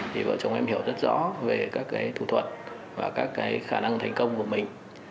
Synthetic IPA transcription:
t̪ʰi˨˩və̰˧˨t͡ɕə˨˦wŋ͡mʔɛ˧mhi˧˩əwzə˦˥t̚zɔ̰˧˥ve˨˩kaː˦˥kːaː˨˦jt̪ʰu˧˩t̪ʰwə˨˩t̚ | vaː˨˩kaː˦˥kːaː˨˦jxaː˧˩na˧ŋt̪ʰa˨˩jŋ̟kə˧wŋ͡mku˧˩əmï˨˩ŋ̟

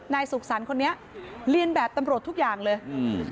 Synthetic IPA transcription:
naː˧jsu˨˩k̚sa˩˦nkʰo˧nːi˦˥ɐʔɾi˧ənbɛː˨˩p̚t̪a˧mɾu˨˩ət̪ʰːu˦˥k̚jaː˨˩ŋlɤː˧j

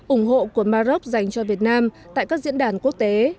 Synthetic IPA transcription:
ʔʊ˧˩ŋ͡mɦo̰˧˨ku˧˩əmaː˧zə˦˥k͡p̚za˨˩jŋ̟t͡ɕɔ˧vi˨˩ət̚naː˧mt̪a̰ː˧˨jkaː˦˥k̚zḭ˧˥nɗaː˧˩nku˦˥ək̚t̪e˨˦

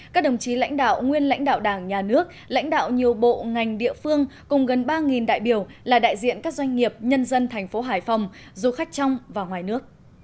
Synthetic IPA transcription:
kaː˦˥k̚ɗə˨˩wŋ͡mt͡ɕi˨˦la̰˧˥jŋ̟ɗa̰ː˧˨wŋwi˧ənla̰˧˥jŋ̟ɗa̰ː˧˨wɗaː˧˩ŋɲaː˨˩nɨ˦˥ək̚ | la̰˧˥jŋ̟ɗa̰ː˧˨wɲi˨˩əwɓo̰˧˨ŋa˨˩jŋ̟ɗḭ˧˨əfɨ˧əŋkʊ˨˩ŋ͡mɣə˨˩nɓaː˧ŋi˨˩nɗa̰ː˧˨jɓi˧˩əwlaː˨˩ɗa̰ː˧˨jzḭ˧˨ənkaː˦˥k̚zwa˧jŋ̟ŋi˨˩əp̚ɲə˧nzə˧nt̪ʰɛ˨˩jŋ̟fo˨˦ɦaː˧˩jfa˨˩wŋ͡m | zu˨˧˩xa˦˥jk̟̚t͡ɕa˧wŋ͡mvaː˨˩ŋwaː˨˩jnɨ˦˥ək̚

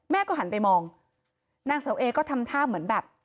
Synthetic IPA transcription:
mɛː˥˩kɔː˥˩ɦa˩˦npa˧jmɔː˧ŋ | naː˧ŋsa˨˩˦wʔeː˧kɔː˥˩t̪ʰa˧mt̪ʰaː˥˩p̚mɯ˩˦ənbɛː˨˩p̚

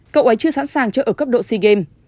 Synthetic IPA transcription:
kə̰˧˨wʔə˨˦jt͡ɕɨ˧sa̰ː˧˥nsaː˨˩ŋt͡ɕəː˧˩ʔəː˧˩kə˦˥p̚ɗo̰˧˨si˧ɣe˧m

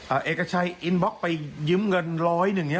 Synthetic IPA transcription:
ʔəː˨˩ʔeː˨˩kːa˧˩t͡ɕʰa˧jʔi˧nbɔ˦˥k̚pa˧jjɯ˨˦˥mŋɤ˧nɾɔː˦˥jnɯ˨˩ŋːi˦˥

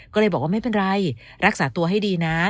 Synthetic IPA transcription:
kkɔː˥˩lɤː˧jbɔː˨˩k̚wa˥˩ma˥˩jpe˧nɾa˧j | ɾa˦˥k̚saː˩˦t̪u˧ɐɦa˥˩jdiː˧na˦˥

